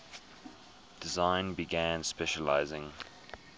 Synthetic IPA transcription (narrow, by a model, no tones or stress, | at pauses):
d̥ɪzãɪ̃nbiɡæ̃nspɛʃəla̰ɪzɪ̃ŋ